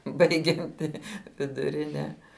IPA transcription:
ˈbɐɪɡʲɛnʲtʲɪ ʋʲɪdʊˈrʲɪnʲɛ

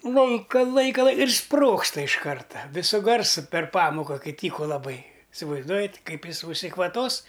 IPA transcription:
ˈlˠɐɪkɐ ˈlˠɐɪkɐ lˠɐɪ ɪr ˈsproːkstɐ ɪʃ ˈkɐrtɐ ˈʋʲɪsʊ ˈɡɐrsʊ pʲɛr ˈpɑːmoːkɐ ˈkɐɪ ˈtʲiːkʊ lˠɐˈbɐɪ ɪsʲɪʋɐɪzˈduɔjɛtʲ ˈkɐɪp ˈjɪs ʊʃʲsʲɪkʋɐˈtoːs

